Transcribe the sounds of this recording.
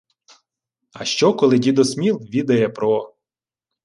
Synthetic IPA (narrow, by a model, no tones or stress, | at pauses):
ɐʃt͡ʃɔkɔlˠɪdʲid̪ɔsmʲilˠʋʲid̪ɐjɛpɾɔ